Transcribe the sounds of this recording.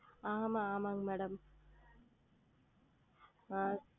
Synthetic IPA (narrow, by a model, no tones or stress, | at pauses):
aɦɐmɐaːmɐŋmɛɽɐm | maː